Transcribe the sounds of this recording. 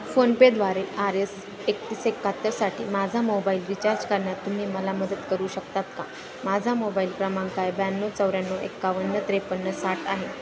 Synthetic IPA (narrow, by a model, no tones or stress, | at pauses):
fonped̪ʋaɾeʔaɾes | ekt̪iːsekːat̪ːəɾsaʈʰḭːmad͡zʱamobaiːlɾit͡ɕaɾd͡zkəɾɳjat̪ːum̤iːməlaməd̪ət̪kəɾuːɕəkt̪at̪ka | mad͡zʱamobaiːlpɾəmaŋkajbanːot͡səwɾjanːoḛkːaʋənːət̪ɾepənːəsaʈʰaɦe